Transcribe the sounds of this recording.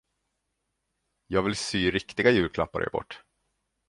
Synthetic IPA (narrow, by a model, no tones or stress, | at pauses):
jɑːɡvɪlsyːɾɪkt̪ɪɡajʉ̟ːɾkʰlapːa̰ɾ̰ɛ̰bɔ̰ʈː